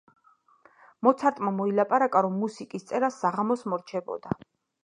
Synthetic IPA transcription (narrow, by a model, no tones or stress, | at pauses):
mɔt̪sʰaɾt̪ʼmamɔilapʼaɾakʼaɾɔmːusikʼist̪sʼɛɾasːaʁamɔsmɔɾt͡ʃʰɛbɔ̰d̪a